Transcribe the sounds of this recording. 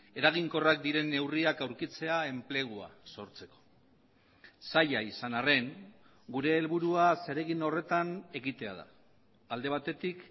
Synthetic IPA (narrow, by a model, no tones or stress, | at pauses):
e̞ɾaɣ̞iŋko̞rak̚d̪iɾe̞nːe̞wriakawɾkit͡se̞ae̞mple̞ɣ̞ua̰so̞ɾt͡se̞ko̞̥ | saʎaisanare̞ŋ | ɡuɾe̞ːlβuɾuase̞ɾe̞ɣino̞re̞t̪ane̞ɣit̪e̞a̰ð̞a̰ː | ld̪e̞β̞at̪e̞t̪ik